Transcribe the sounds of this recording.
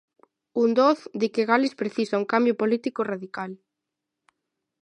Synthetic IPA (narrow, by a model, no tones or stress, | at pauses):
und̪oθd̪ɪkeɣalɪspɾeθisauŋkambjʊpolit̪ikoraðikal